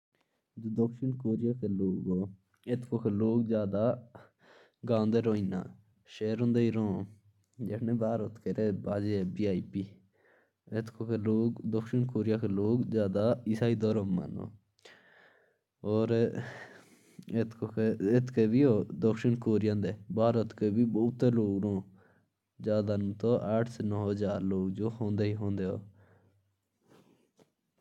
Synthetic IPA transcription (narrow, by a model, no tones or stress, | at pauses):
d̪okʃənkoːɾijaːkeloːɡoː | et̪ʰkokeloːɡzjaːd̪a | ɡãːnd̪eɾoːinã̰ː | ʃeːɾõnd̪eiɾõː | d͡ʒekʰnebaːɾot̪ʰkeɾebaːd͡ʒebiaːipi | et̪ʰkokeloːɡd̪ɔkʃənkoːɾijakeloːɡzjaːd̪aɪsaːid̪ɔɾomːa̰no̰ː | ɔːɾ | et̪kokeet̪kebiːoːd̪ɔkʃɪɳkoːɾɪjãːnd̪eːbʱaːɾət̪kebiːboːt̪ːeloːɡɾõː | d͡ʒaːd̪ant̪oʔaːʈʰsenɔːɦɦəd͡ʒaːɾloːɡd͡ʒoːɦõːnd̪eːɦiɦõːnd̪eoː